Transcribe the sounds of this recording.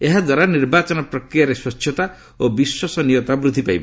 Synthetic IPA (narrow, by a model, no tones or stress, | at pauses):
eɦad̪waɾaniɾbat͡ʃɔnɔpɾɔkɾijaɾeswɔtt͡ʃːʰjɔt̪a | obiswɔsɔnijɔt̪abɾud̪ʱipajbɔ